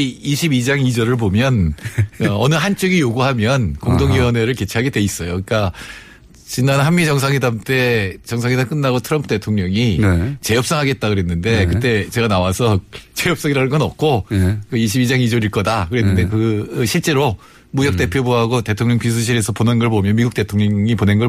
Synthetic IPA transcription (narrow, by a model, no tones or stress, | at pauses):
iɕʰibid͡ʑaŋid͡ʑʌɾɯɭpomjʌn | ʌnɯɦant͡ɕ͈oɡijoɡuɦamjʌnkoŋdoŋiʌneɾɯɭke̞t͡ɕʰiɦaɡe̞dwe̞is͈ʌjoik͈a | t͡ɕinanɦanmit͡ɕʌŋsʰaŋedamt͈e̞t͡ɕʌŋsʰaŋedaŋk͈ɯnːaɡotʰɯɾʌmpʰɯde̞tʰoŋɲʌŋit͡ɕe̞jʌp̚s͈ʌŋɦaɡe̞t̚t͈akɯɾe̞nːɯnde̞kɯt͈e̞t͡ɕe̞ɡanawasʰʌt͡ɕejʌp̚s͈ʌŋiɾanɯnɡʌnʌp̚k͈ʰokɯiɕ̬ʰibid͡ʑaŋid͡ʑoɾiɭk͈ʌdakɯɾe̞nːɯnde̞kɯɕʰiɭt͡ɕ͈e̞ɾo | mujʌk̚t͈e̞pʰjobuɦaɡote̞tʰoŋɲʌŋpis̬ʰɯɕ̬ʰiɾe̞sʰʌponenɡʌɭpomjʌnmiɡuk̚t͈e̞tʰoŋɲʌŋiponenɡʌ